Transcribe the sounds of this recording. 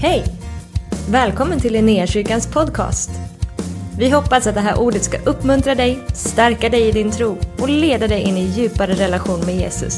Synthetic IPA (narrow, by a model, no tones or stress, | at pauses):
hɛj | vɛːlkʰɔmːənt̪ʰɪlɛnɪaʂʏːkanspʰɔd̪kʰɑ̰ːst̪ | vɪɦɔpːasat̪̚d̪ɛɦæːɾʔuːɖət̪ska̰ʔɵpːmɵnt̪ɾad̪ɛjst̪æɾkad̪ɛjɪd̪ɪnt̪ʰɾuːʔɔleːd̪ad̪ɛjʔɪnːɪjʉ̟ːpaɾəɾɛlaɧuːnmɛjeːsɵ̰s